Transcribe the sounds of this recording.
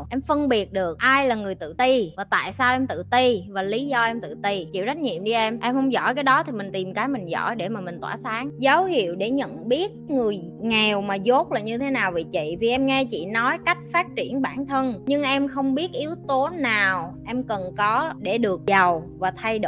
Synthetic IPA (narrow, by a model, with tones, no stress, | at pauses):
ʔɛ˧mfə˧nɓi˨˩ət̚ɗɨ˨˩ək̚ʔaː˧jlaː˨˩ŋɨ˨˩əjt̪ɨ̰˧˨t̪i˧vaː˨˩t̪a̰ː˧˨jsaː˧wʔɛ˧mt̪ɨ̰˧˨t̪i˧vaː˨˩li˨˦zɔ˧ʔɛ˧mt̪ɨ̰˧˨t̪i˧t͡ɕḭ˧˨˩ɗa˦˥k̟̚ɲḭ˧˨əmɗi˧ʔɛ˧mʔɛ˧mhə˧wŋ͡mzɔ̰˧˩˨jkaː˨˦jɗɔ˨˦t̪ʰi˨˩mï˨˩ŋ̟t̪i˨˩mkaː˨˦jmï˨˩ŋ̟zɔ̰˧˩jɗe˧˩maː˨˩mï˨˩ŋ̟t̪waː˧˩saː˨˦ŋzə˨˦whḭ˧˨əwɗe˧˩ɲə̰˧˨nɓi˦˥ət̚ŋɨ˨˩əj | ŋɛ˨˩wmaː˨˩zo˦˥t̚laː˨˩ɲɨ˧t̪ʰe˨˦naː˨˩wvi˨˩t͡ɕḭ˧˨vi˨˩ʔɛ˧mŋɛ˧t͡ɕḭ˧˨nɔ˨˦jka˦˥jk̟̚faː˦˥t̚t͡ɕi˧˩ənɓaː˧˩nt̪ʰə˧nɲɨ˧ŋʔɛ˧mxə˧wŋ͡mɓi˦˥ət̚ʔi˨˦əwt̪o˨˦naː˨˩wʔɛ˧mkə˨˩nkɔ˨˦ɗe˧˩ɗɨ˨˩ək̚zə˨˩wvaː˨˩t̪ʰa˧jɗo˧˩